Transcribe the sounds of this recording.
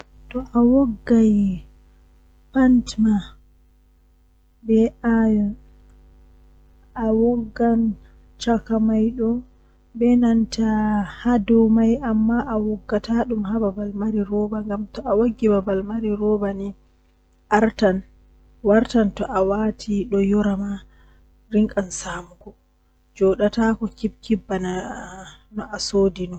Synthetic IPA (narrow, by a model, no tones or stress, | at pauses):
tɔʔawɔɡːaj | pantma | bɛʔajɔn | ʔawɔɡːan | t͡ʃakamajɗɔ | bɛnantahadɔwmajʔamːaʔawɔɡːataɗumhababalmaɾiɾɔbaŋɡamtɔʔawaɡːibabalmaɾiɾɔbani | ʔaɾtan | waɾtantɔʔawaːtʰiɗɔjɔɾama | ɾiŋkʼansaːmuɡɔ | d͡ʒɔɗatakɔkib̚kibːana | nɔʔasoːdinɔ